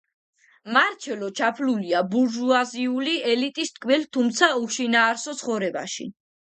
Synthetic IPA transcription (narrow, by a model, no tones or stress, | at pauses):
maɾt͡ʃʰɛlɔt͡ʃʰapʰluliabuɾʒuaziuliɛlit̪ʼist̪ʼkʼmɛlt̪ʰumt̪sʰauʃinaːɾsɔt̪sʰχɔvɾɛba̰ʃḭ